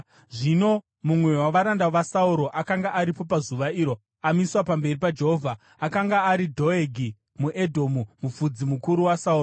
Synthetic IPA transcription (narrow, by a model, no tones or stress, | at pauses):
ʐino̞ | mumwe̞waʋaɾandaʋasauɾo̞ʔakaŋɡaʔːɾipo̞pazuʋaiːɾo̞ | amiswapambe̞ripad͡ʒe̞ɦovʱa | akaŋɡaːɾidʱo̞eɡʱi | muʔedʱo̞mumufud͡zimukuɾuwasauːro